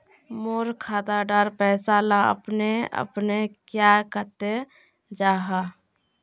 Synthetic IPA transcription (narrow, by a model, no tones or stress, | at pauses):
moːɾkʰaːd̪aɖaɾpɛːsalaə̰pneə̰pnekjakət̪e | d͡ʒaːɦa